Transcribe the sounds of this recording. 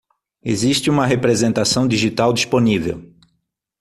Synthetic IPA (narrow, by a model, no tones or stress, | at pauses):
eziʃt͡ʃɪũmɐɦepɾezẽnt̪asɐ̃w̃d̪iʒit̪awd̪isponivḛw